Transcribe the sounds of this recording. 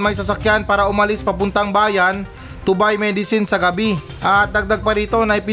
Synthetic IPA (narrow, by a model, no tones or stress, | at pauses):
mɐjs̬ɐsɐkjanpaːɾɐʔʊmɐlɪspɐpʊnt̪aŋbaːjan | t̪ʊbajmɛd̪ɪsɪnsɐɡɐbi | ʔɐt̪̚d̪ɐɡ̚d̪aɡ̚pɐɾiːt̪o̞nɐɪpɪ